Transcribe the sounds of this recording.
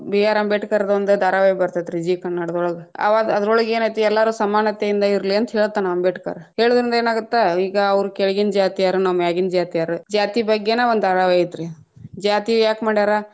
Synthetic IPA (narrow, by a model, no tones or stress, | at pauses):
bijaːɾɐmbeʈkaɾɐd̪ɐnd̪ud̪aːɾaʋejɐbɐɾt̪aːjt̪ɾid͡ʒiːkɐnːaːɽɐd̪ɔɭɐɡeɐ̰ʋad̪ɐd̪ɐɾɔɭɐɡe̞ːnaːjt̪uɛlːaːɾuːsɐmaːnɐt̪ejind̪ɐiɾliɐnt̪ɦeːɭut̪ːɐnaʋɐmbeːʈka̰ɾhe̞ːɭud̪ɐɾind̪ɐeːnaːɡut̪ːeiːɡɐːʋɾukɛɭiɡind͡ʒaːt̪ijaːɾunamjaːɡind͡ʒaːt̪ijaːɾud͡ʒaːt̪ibɐɡːeneːʋond̪d̪aːɾaːʋejit̪ːɾe | d͡ʒaːt̪ijaːkmaːɽiaːɾa